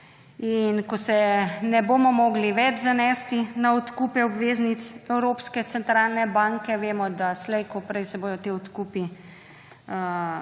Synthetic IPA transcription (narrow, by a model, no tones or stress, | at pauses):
inkɔsɛnɛboːmɔmɔːɡliʋɛd͡ʒzanɛːst̪inaɔt̪kupɛɔbʋeːznit̪sɛwɾoːpskɛt̪sɛnt̪ɾaːlnɛbaːŋkɛʋeːmɔd̪aslɛjkɔpɾɛjsɛboːjɔt̪eːɔt̪kupi | ə